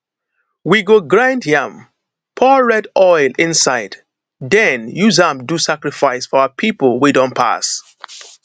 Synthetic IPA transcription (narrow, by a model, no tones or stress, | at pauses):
wiɡoɡɹãɪndiãm | pʰɔɹɛdɔɪlɪ̃nsaɪd̥ | dɛ̃njuzãmdusakɹifaɪsfɔaəpʰipəl̩ˠwidɔ̃npʰa̰s